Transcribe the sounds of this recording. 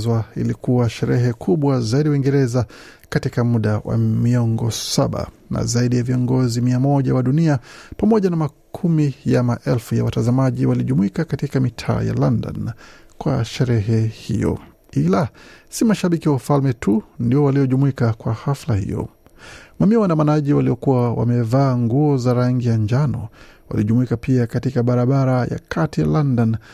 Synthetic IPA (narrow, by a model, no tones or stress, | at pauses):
zwaḭlikuwaʃɛɾɛɦɛkʰuɓwazaiɗiwaiŋɡɛɾɛzakatikamuɗawa̰miɔŋɡɔsaɓa̰na̰zaiɗijaviɔŋɡɔzimiamɔʄawaɗuniapamɔʄanamakʰumijamaʔɛlfuja̰watazamaʄiwaliʄumuikakatikamitʰa̰ːja̰landa̰nkwa̰ʃɛɾɛɦɛhḭjɔ̰ | ilasimaʃaɓikiwafalmɛtʰundiɔwalijɔʄumuikakwahaflahḭjɔ̰ | mamiawandamanaʄiwaliɔkuwawa̰mɛvaːŋɡuɔzaɾaŋɡijaɲd͡ʒanɔwa̰liʄumuikapiakatikaɓaɾaɓaɾaja̰kʰatija̰landan